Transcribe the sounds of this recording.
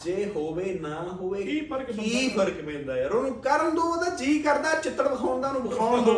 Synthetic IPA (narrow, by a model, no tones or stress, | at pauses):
d͡ʒeːɦoːʋeːnãːɦoːʋeːkiːpʰəɾkpɛ̃ːnd̪aːɛɾonːkəɾənd̪õːd̪aːd͡ʒiːkəɾd̪aːt͡ʃɪt̪ːəɾbəsʰãːnd̪aːnũːbəkʰaːd̪o